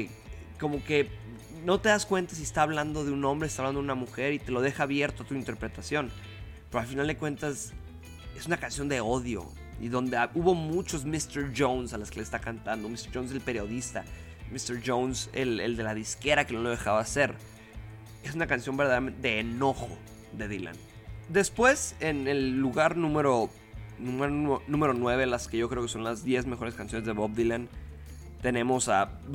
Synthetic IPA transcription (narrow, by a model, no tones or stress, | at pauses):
ko̞mo̞ke̞ | no̞t̪e̞ðaskwe̞nt̪as̬iest̪aːβland̪o̞ðe̞unõ̞mbɾest̪aβland̪unamuxe̞ɾit̪e̞lo̞ð̞e̞xaːβje̞ɾt̪oat̪uint̪e̞ɾpɾe̞t̪asjo̞n | pe̞ɾoalfinald̪e̞kwe̞nt̪as | e̞sunakansjo̞nd̪e̞o̞ðjo̞̰ | ḭðo̞nd̪eauβo̞mut͡ʃo̞zmist̪eɾʝownsalaskelest̪akant̪and̪o̞mist̪eʒownse̞lpe̞ɾjo̞ðist̪a̰ | mist̪eɾʝownsḛlḛld̪e̞laðiske̞ɾake̞no̞loð̞e̞xaβase̞ɾ | e̞sunakansjo̞mbeɾðaðeament̪eðeːno̞xo̞̰ | ðe̞ðila̰n | d̪e̞spwe̞se̞nelːuɣaɾnũme̞ɾo̞ | nũmaɾnũme̞ɾo̞nwe̞β̞e̞laskeʝo̞kɾe̞o̞keso̞nlazðje̞zmexo̞ɾe̞skansjo̞nezðe̞βoβðiland̪ | t̪e̞nẽ̞mo̞sa